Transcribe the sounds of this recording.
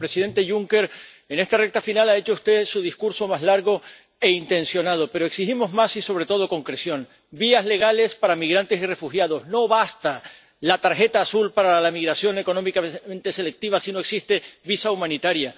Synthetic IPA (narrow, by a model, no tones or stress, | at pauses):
pɾe̞siðe̞nt̪e̞ʝuŋke̞ɾ | e̞ne̞st̪arek̚t̪afinalae̞t͡ʃoust̪e̞suð̞iskuɾso̞mazlaɾɣo̞ | e̞int̪ẽ̞nsjo̞nað̞o̞pe̞ɾo̞eksiximo̞zmasiso̞β̞ɾe̞t̪oð̞o̞ko̞ŋkɾesjo̞n | biazle̞ɣale̞spaɾamiɣɾant̪e̞sire̞fuxjað̞o̞zno̞βast̪a | lat̪aɾxe̞t̪aːsulpaɾalamiɣɾasjo̞ne̞ko̞nõ̞mikamẽnt̪e̞se̞le̞k̚t̪iβ̞asino̞e̞ksist̪e̞βisaumãnit̪aɾja